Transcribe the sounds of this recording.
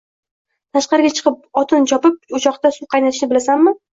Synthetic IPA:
t̪ʰaʃqɑɾɪɡʲat͡ʃʰɨ̥qɨp̚ɒt̪ʰɪnt͡ʃʰɒpɪp̚ʊt͡ʃʰɒqt̪asʊqʰɑjnat̪ʰɪʃnɪbɪlasamːɪ

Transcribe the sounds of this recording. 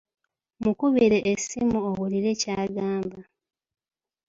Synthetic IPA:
mukuβiɾeʔːsimuoɣuliɾe̞caːɡaːmba

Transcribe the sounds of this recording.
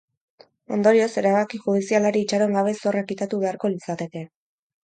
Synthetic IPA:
o̞nd̪o̞ɾio̞se̞ɾaβakiʝuðisialaɾiːt͡ʃaɾoeŋɡaβe̞so̞rakit̪at̪uβe̞aɾko̞lit͡sat̪e̞ke̞

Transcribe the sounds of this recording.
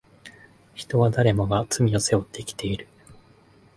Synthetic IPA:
çi̥t̪o̞βad̪aɾe̞mo̞ɡat͡sɨmʲio̞se̞o̞t̪ʰːe̞kʲi̥t̪ʰe̞iɾɯ̟

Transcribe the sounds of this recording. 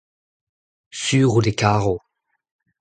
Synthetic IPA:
syʁud̪ekaʁo

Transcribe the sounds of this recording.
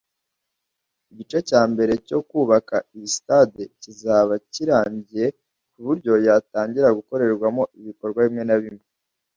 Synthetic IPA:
iɟit͡ʃe̞caːmbe̞ɾe̞co̞kuːβakaisi̥tadecizaβaciɾaːɲɟije̞ | kuβuɾɟo̞jataːɲɟiɾaɡuko̞ɾe̞ɾɡwamo̞iβiko̞ɾɡwaβimŋe̞naβimŋe

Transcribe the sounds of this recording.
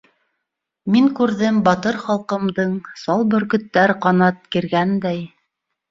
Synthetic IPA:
miŋkʉɾðɘmbɑt̪ɤɾχɑlˠqɤ̆md̪ɤɴsɑlˠbɵ̆ɾkɵ̆t̪ːæɾqɑnɑt̪̚kiɾɡænd̪æj

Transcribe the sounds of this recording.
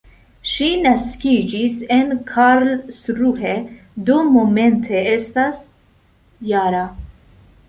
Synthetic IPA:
ʃinaskid͡ʒisenkʰaɾlsɾuɦe | d̪omoment̪ʰeest̪as | jaːɾa

